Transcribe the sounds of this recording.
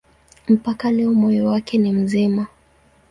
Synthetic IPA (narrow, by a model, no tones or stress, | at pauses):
m̩pakalɛɔmɔjɔwakɛnim̩zima